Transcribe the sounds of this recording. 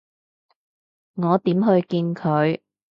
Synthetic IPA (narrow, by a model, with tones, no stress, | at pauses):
ŋɔː˨˧t̪iː˨˥mɦɵ˧ɥkiː˧nkʰɵ˨˧ɥ